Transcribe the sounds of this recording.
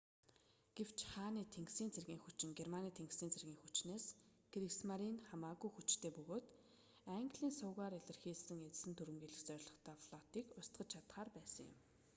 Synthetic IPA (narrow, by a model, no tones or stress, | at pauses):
ɡ̥ew̥t͡ɕχaːniːt̪ʰeŋɡsiːnt͡sʰerɣʲiːŋxut͡ɕɪ̆ŋɡermaniːt̪ʰeŋksiːnt͡sʰerɣʲiːŋxut͡ɕneːsɡ̥ɾiksmaɾinχamaːɣujxut͡ɕt̪ʰeːpɵɣoːt̪ | æŋɡɮiːnsʊːʁaːɾeɮə̆rxiːɮsɘ̆ŋet͡s̆sɘ̆nt̪ʰuɾwɘ̆mɡiːɮɘ̆xt͡sœɾrʲɮɞ̆χt̪ʰæːfɮ̥ɔt̪iːkʊst̪ɢə̆t͡ɕt͡ɕʰat̪χaːrpæːsə̆ŋjʊ̰m